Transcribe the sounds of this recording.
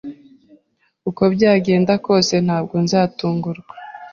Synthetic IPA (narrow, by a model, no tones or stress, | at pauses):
uko̞bɟaːɡe̞ːndako̞ːse̞n̥haːb̚ɡo̞nzaːtuːŋɡuɾɡwa